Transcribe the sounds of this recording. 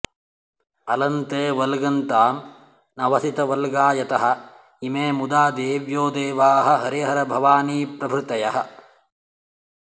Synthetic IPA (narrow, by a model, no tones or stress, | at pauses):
ɐlɐnt̪eːʋɐlɡɐnt̪aːm | nɐʋɐsit̪ɐʋɐlɡaːjɐt̪ɐɦɐ̆ | imeːmud̪aːd̪eːʋjoːd̪eːʋaːɦɐ̆ɦɐɾiɦɐɾɐbʱɐʋaːniːpɾɐbʰʱɾɪt̪ɐjɐɦɐ̰̆